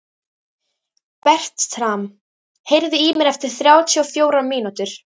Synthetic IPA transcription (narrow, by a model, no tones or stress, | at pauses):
pɛr̥t̪t̪ʰɾam | hejɾðɪiːmɪɾɛft̪ɪɾ̥θɾjaːwt̪ʰiɔfjoːwɾamiːnut̪ʏɾ̥